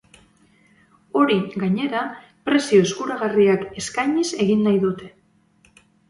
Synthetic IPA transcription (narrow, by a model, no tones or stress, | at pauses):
o̞ɾiɡaɲe̞ɾa | pɾe̞sio̞eskuɾaɣ̞ariake̞skajɲise̞ɣinːajðut̪e̞